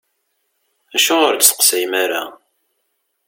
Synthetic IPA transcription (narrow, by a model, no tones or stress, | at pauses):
æʃʊʁəɾsə̥qsæjmaɾa